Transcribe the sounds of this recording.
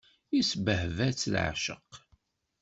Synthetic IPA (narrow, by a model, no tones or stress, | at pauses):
isbəhvæt͡sːlʕa̰ʃə̰q